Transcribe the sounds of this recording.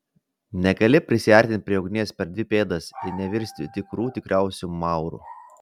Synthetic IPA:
nʲɛɡɐlʲɪpʲɾʲɪsʲɪɛˑɾʲt̪ʲɪnt̪̚ʲpʲɾʲiɛʊɡnʲiːɛspʲɛɾd̪ʋʲɪpʲeːd̪ɐsɪnʲɛʋʲɪɾʲsʲt̪ʲɪt̪ʲɪkɾuːt̪ʲɪkɾʲæˑʊsʲumɑˑʊɾṵ

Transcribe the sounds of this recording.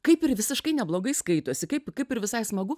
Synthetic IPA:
kɐɪpɪɾʋʲɪsʲɪʃkɐɪnʲɛblˠoːɡɐɪskɐɪt̪oɔsʲɪkɐɪpkɐɪpɪɾʋʲɪsɐɪsmɐɡʊ

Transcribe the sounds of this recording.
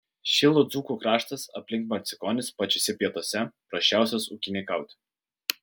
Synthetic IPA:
ʃʲɪlˠod̪zuːkuːkɾɑːʃt̪ɐsɐ̰pʲlʲɪŋkmɐɾʲt̪sʲɪkɔːnʲɪspɐt͡ʃʲɔsʲɛpʲiɛt̪oɔsʲɛpɾɐʃʲt͡ʃʲæˑʊsʲosukʲɪnʲekɐˑʊt̪ʲ

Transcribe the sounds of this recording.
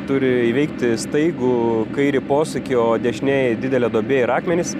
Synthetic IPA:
t̪ʊɾʲɪiʋʲɛɪkt̪ʲɪst̪ɐɪɡukɐɪɾʲɪpoːsɐkʲɪoːd̪ʲɛʃʲnʲeːjd̪ʲɪd̪ʲɛlʲɛːd̪oːbʲeːɪɾɑːkmʲɛnʲɪs

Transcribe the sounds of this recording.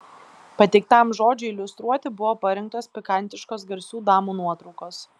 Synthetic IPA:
pɐt̪ʲɛɪk̚t̪ɑˑmʒoːd͡ʒʲʊɪlʲʊst̪ɾuɔt̪ʲɪbʊʋoːpɐɾʲɛŋk̚t̪oːspʲɪkɐnʲt̪ʲɪʃkoːsɡɐɾʲsʲuːd̪ɑːmuːnuɔt̪ɾɔʊkoːs

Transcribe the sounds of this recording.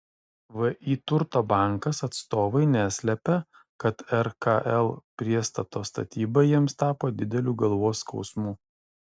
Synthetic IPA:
ʋɐʔiːt̪ʊɾt̪oːbɑˑŋkɐsɐt̪st̪oːʋɐɪnʲæːsʲlʲɛpʲɛ | kɐt̪ɛɾkɐʔɛlˠpʲɾʲiɛst̪ɐt̪oːst̪ɐ̰t̪ʲiːbɐjiɛmst̪ɑːpoːd̪ʲɪd̪ʲɛlʲuːɡɐlˠʋoːskɒʊsmuː

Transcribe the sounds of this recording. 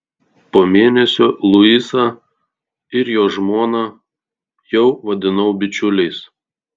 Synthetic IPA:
poːmʲeːnʲɛsʲoːlˠʊisɐ | ɪɾjoːʒmoːnɐ | jɛʊʋɐd̪ʲɪnɐʊbʲɪt͡ʃʲʊlʲɛɪs

